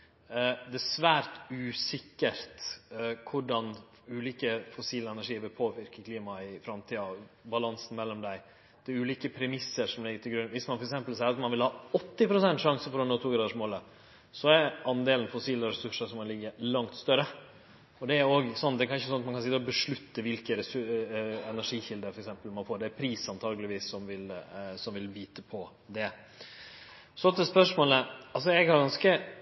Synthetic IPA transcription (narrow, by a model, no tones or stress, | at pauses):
d̪ɛæsʋæːɾt̪ʉːsɪkːəɾt̪kʰʊɖɑn | ʉːliːkəfɔsiːləɛnæʂiːəʋɪlpʰoːʋɪɾkəkʰliːmɑɪfɾɑmt̪ʰiːɑbɑlɑnsən̩mɛlːɔmd̪æɪ | d̪̥ɛʉːliːkəpʰɾɛmɪsːəɾʂɔmlɪɡəɾt̪ʰɪlɡɾʉnʋɪsmɑnfɔɾɛks̬ɛmpəlsæɪɾɑt̪mɑnʋɪlhɑːɔt̪ːɪpɾʊsɛnt̪ʂɑŋsəfɔɾɔnoːt̪ʰuːɡɾɑːd̪əʂmoːlə | sɔæɾɑnd̪eːlən̩fɔsiːləɾɛsʉʂəʂɔmkɑnlɪɡːəlɑŋt̪st̪œɾə | ɔd̪ɛæoːɡsɔnːd̪ɛkʰɑnɪçəsɔnɑt̪mɑkɑnsɪt̪ːəɔbəʂɭʉt̪ːəʋɪlkəɾɛ | ɛnæʂiːçɪld̪əɾfɔɾɛksɛmpəlmɑnfoːɖɛæɾpʰɾiːsɑnt̪ʰɑːɡəlɪʋiːsːɔmʋɪlsɔmʋɪlbyːt̪əpʰɔ | d̪ɛ | sɔt̪ːəspœʂmoːləɑls̬ɔɛɡhɑɾɡɑnskə